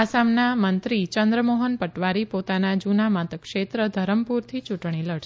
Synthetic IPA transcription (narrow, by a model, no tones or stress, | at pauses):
asamnamənt̪ɾit͡ʃənd̪ɾəmoɦənpəʈʋaɾipot̪anad͡ʒunamãt̪əkʃet̪ɾəd̪ʱəɾəmpuɾt̪ʰit͡ʃuʈɳ̃iləɽʃ